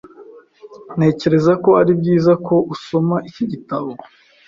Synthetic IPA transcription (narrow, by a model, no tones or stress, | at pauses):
ne̞ːce̞ɾe̞zako̞aɾibɟiːzako̞ʔuso̞maʔiciɟitaβo̞